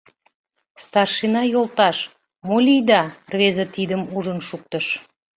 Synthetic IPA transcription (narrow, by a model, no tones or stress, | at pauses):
st̪ɑrʃinɑjolˠt̪ɑʃ | molʲijd̪ɑrβezet̪id̪əmuʒənʃuk̚t̪əʃ